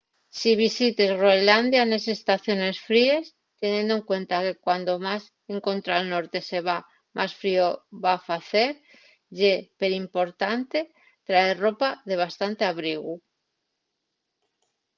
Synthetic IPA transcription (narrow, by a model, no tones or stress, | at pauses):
siβ̞isit̪ezroeland̪janes̬e̞st̪aθjo̞ne̞sfɾie̞s | t̪e̞nje̞nd̪oe̞ŋkwe̞nt̪ake̞kwand̪o̞mas | e̞ŋko̞nt̪ɾalno̞ɾt̪e̞se̞βa | mʔasfɾioβafaθe̞ɾ | ɟ͡ʝe̞pe̞ɾimpo̞ɾt̪ant̪e̞ | t̪ɾaero̞paðe̞β̞ast̪ant̪eaβɾiɣ̞u